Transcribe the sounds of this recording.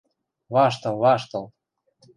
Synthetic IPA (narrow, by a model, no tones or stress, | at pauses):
βɑʃt̪ɤ̆lβɑʃt̪ɤ̆l